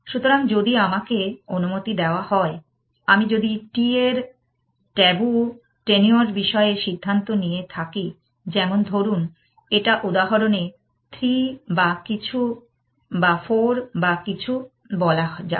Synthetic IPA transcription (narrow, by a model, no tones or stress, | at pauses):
ʃut̪oɾaŋd͡ʑod̪iamakeonumot̪id̪eoahɔe | amid͡ʑod̪iʈieɾ | ʈɛbu | ʈenioɾbiʃɔeeʃid̪ʱːant̪onijet̪ʰaki | d͡ʑɛmond̪ʱoɾun | eʈaʔud̪aɦoɾone | t̪ʰɾibakit͡ɕʰu | bafoɾbakit͡ɕʰu | bɔlaɦd͡ʑa̰